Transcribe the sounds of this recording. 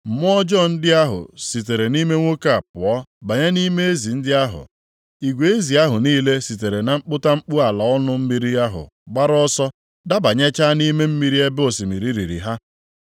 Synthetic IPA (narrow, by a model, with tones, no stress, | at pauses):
m̩˨m˦ɔ˦d͡ʒɔ˦n̩˦dɪ˦a˦ɦʊ̰˨si˨t̬e˨ɾe˨ni˦me˦ŋʷo˦ka˦˨a˨pʊ˨ɔ˦ba˨ɲe˦ni˦me˦e˦zi˨n̩˦dɪ˦a˦ɦʊ̰˨ | i˨ɡʷe˨e˦zi˨a˦ɦʊ˨niː˦le˦si˨t̬e˨ɾe˨na˨ŋ͡m̩˦k͡pʊ˦ta˦ŋ͡m̩˦k͡pu˦a˨la˨ɔ˦nʊ˦m̩˦mi˦ɾi˦a˦ɦʊ̰˨ | ɡ͡ba˦ɾɔ˦sɔ˦ | da˦ba˨ɲe˦t͡ʃa˦ni˦me˦m̩˦mi˦ɾi˦e˦bo˨si˨mi˨ɾi˨ɾi˨ɾḭ˨ɦa˦